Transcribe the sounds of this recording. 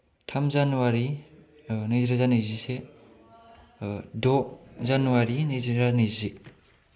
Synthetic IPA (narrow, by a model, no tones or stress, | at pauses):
tʰamzanuwaɾi | nɯziɾazanɯzise | dɔzanuwaɾinɯziɾanɯzi